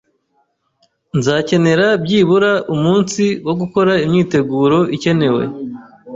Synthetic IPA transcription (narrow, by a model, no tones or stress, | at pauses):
nzaːce̞ne̞ɾabɟiːβuɾaʔumuːnsiwo̞ɡuko̞ɾaimɲiːte̞ɡuːɾo̞ʔice̞ne̞we̞̰